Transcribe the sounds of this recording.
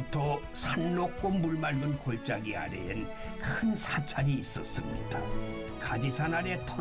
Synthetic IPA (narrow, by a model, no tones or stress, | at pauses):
tʰʌ | sʰanːok͈̚omuɭmaɭɡɯnkoɭt͡ɕ͈aɡia̰ɾḛɯn | kʰɯnsʰat͡ɕʰaɾiːs͈ʌ̰s͈ɯmɲḭda | kad͡ʑisʰanaɾe̞tʰʌ